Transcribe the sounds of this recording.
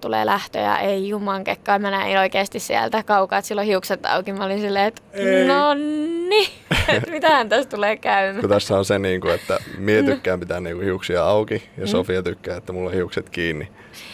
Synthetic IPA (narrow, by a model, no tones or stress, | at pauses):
t̪ulḛːlʔæht̪ø̰jɑ̰ʔeijumɑŋkekːɑːmænæḭnoikeːst̪issiæ̰lt̪ækɑukɑːt̪silːohiukset̪ːɑ̰ukimɑolinsilːeːet̪nonːiemit̪æhænt̪æst̪uleːkæymːækot̪æsːæonseniːŋkuet̪ːæmieykːæːmpit̪æːnniːŋkuhiuksiɑɑukijɑsofiɑt̪ykːæːet̪ːæmulːohiukset̪kiːnːi